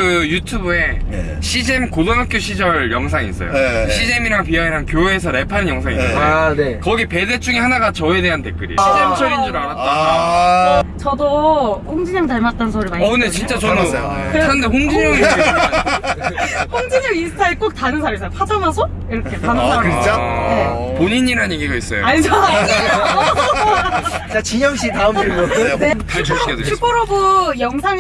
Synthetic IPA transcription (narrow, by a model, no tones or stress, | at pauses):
kɯjutʰubue̞ɕʰid͡ʑemkolonak͈joɕʰid͡ʑʌɭjʌŋsʰaŋḭs͈ʌ̰jo̰ɕʰid͡ʑemiɾaŋpiaiɾaŋkjoɦeːsʰʌɾe̞pʰanɯnjʌŋsʰaŋḭɯ̰nenekʌɡipe̞det͡ɕ͈uŋihanaɡat͡ɕʌe̞de̞ɦante̞̰k͈ɯɾḭɕʰid͡ʑemt͡ɕʰʌɡind͡ʑuɾanatt͈a | t͡ɕʌdoɸoŋd͡ʑiɲʌŋtaɭmat̚t͈ʌnsʰʌɾɯɭmaʌne̞t͡ɕint͡ɕ͈at͡ɕʌnjoeandeɸoŋd͡ʑiɲʌŋi | hoŋd͡ʑiɲʌŋisʰɯ̥tʰaek͈ok̚tanɯnsʰaɾis͈ʌjopʰadamas̬ʰo | iɾʌkʰetanɯnsʰaɯt͡ɕ͈anepoɲiɲiɾanjeɡiɡais͈ʌjo̰aɲd͡ʑʰʌna | t͡ɕat͡ɕiɲʌŋɕ͈itaɯmɯɭuʌt͈ʰɯnekat͡ɕokedet͡ɕʰupʰɯɾʌbujʌŋsʰaŋ